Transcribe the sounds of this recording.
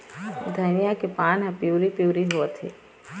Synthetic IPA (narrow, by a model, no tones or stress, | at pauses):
d̪ʱəɪnijakepaːnɦãpjuːɾipjuːɾiɦuət̪ʰḛː